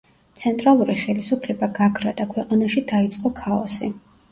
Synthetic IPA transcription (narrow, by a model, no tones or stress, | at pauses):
t̪sʰɛnt̪ʼɾalˠuɾiχɛlisupʰlɛbaɡaɡʰɾad̪akʰwɛqʼanaʃid̪ait̪sʼqʼɔkʰaɔsi